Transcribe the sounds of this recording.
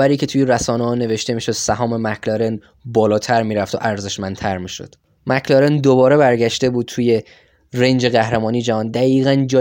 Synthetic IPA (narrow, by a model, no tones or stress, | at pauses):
æɾiːcʰe̞t̪ʰuːjeɾæsɒːnehɒːne̞ve̞ʃt̪e̞miːʃo̞d̪̥sæɦɒːme̞mækʰlɑɾe̞n | bɒːlɒːt̪ʰæɾmiːɾæft̪o̰ʔæɾze̞ʃmænt̪ʰæɾmiːʃo̰d̪̥ | mækʰlɒɾend̪obɒːɾe̞βæɾɟæʃt̪e̞buːd̪̚t̪ʰuːje̞ | rend͡ʒe̞ɣæhɾemɒːniːd͡ʒæɦɒːnd̪æɣiːɣænd͡ʒɒː